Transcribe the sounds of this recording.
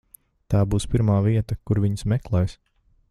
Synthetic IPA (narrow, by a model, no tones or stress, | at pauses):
t̪aːbuːspiɾmaːviɛt̪ɐkuɾviɲsmɛklˠɛjs